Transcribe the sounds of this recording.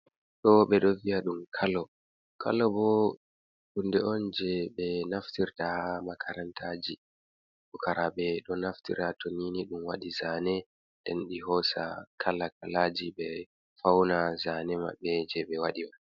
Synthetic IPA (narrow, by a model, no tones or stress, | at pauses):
tɔɓɛɗɔviaɗumkʰalɔ | kʰa̰lːɔbɔ | ɗundɛɔnd͡ʒɛɓɛnaftiɾtamakʰaɾantʰaːd͡ʒi | ɗɔkaɾaɓɛɗɔnaftḭɾatoniniɗumwaɗizaːnɛ | ndɛnɗiɦɔsa̰kʰalːakʰalaːd͡ʒiɓɛ | fawnazaːnɛma̰ɓɛd͡ʒɛɓɛwaɗima